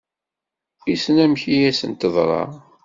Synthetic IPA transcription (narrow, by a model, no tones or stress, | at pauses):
isənæmçijæsə̰nt̪əðˤɾˤɑ̰